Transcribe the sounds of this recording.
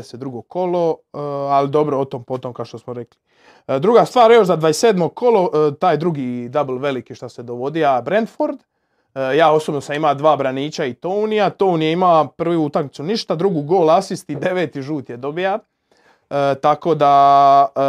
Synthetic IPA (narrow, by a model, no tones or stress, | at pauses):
esed̪ɾuɡokʰo̞lo̞alid̪o̞bɾoot̪ompo̞t̪omkaoʃt̪osmoɾekli | d̪ɾuɡast̪ʋaːɾjo̞ʃzad̪ʋaesseːd̪mo̞ɡ̚kʰo̞lo̞t̪aːjd̪ɾuɡid̪ablˠʋe̞likiʃt̪ase̞d̪oʋo̞d̪iabɾend̪foɾd̪ | jaːo̞sobnosamimaːd̪ʋaːbɾaniːt͡ɕait̪ounijat̪ounijaimapr̩ʋujuut̪aknit̪suniʃt̪ad̪ɾuɡuɡoːlasist̪id̪e̞ʋeːt̪iʒuːt̪jed̪o̞bija | t̪ako̞ːd̪a